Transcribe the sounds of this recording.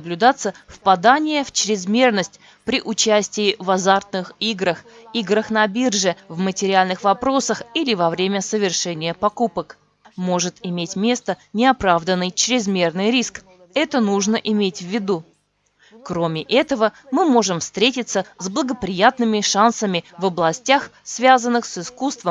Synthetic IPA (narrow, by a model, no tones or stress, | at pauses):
blʲʉd̪at̪sːəfpɐd̪anʲɪjəft͡ɕɾʲɪzmʲe̞rnəsʲtʲ | pɾʲɪʔʊt͡ɕæsʲtʲɪɪvɐzart̪nɨxiɡɾəxiɡɾəxnɐbʲirʐɨvmətʲɪɾʲɪalʲnɨxvɐpɾo̞səxilʲɪvɐvɾʲemʲəsəvʲɪrʂɛnʲɪjəpɐkupək | mo̞ʐɨt̪ɪmʲetʲmʲe̞st̪ənʲɪɐpɾavd̪ənːɨjt͡ɕɾʲɪzmʲe̞rnɨjɾʲisk | ɛt̪ənuʐnəʔɪmʲetʲvʲːɪd̪u | kɾomʲɪʔɛt̪əvəmɨmo̞ʐɨmfst̪ɾʲetʲɪt̪səzblˠəɡəpɾʲɪjat̪nɨmʲɪʂansəmʲɪvəblˠɐsʲtʲaxsvʲazənːɨxsɨskust̪vəm